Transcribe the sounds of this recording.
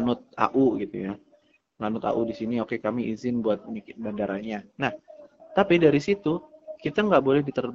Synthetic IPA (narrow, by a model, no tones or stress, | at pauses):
nʊt̪̚a̰ʔuɡit̪ṵja | lanʊt̪a̰ʔudisiniokekamiʔizɪnbuat̪̚nikbandaɾʔaɲanaht̪apidaɾisit̪ukit̪aŋɡaʔbolɛhdit̪ər